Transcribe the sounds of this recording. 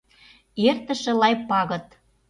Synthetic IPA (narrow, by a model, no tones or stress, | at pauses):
ert̪ə̆ʃĕlɑjpɑɣɤ̆t̪